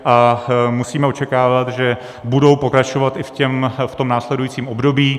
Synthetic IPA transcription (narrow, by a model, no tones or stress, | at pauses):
ʔamusiːmɛo̞t͡ʃɛkaːvat̪ʒɛ | budo̞wpo̞kɾat͡ʃo̞vat̪ʔɪfcɛmft̪o̞mnaːslɛdujiːt͡siːmo̞bdo̞biː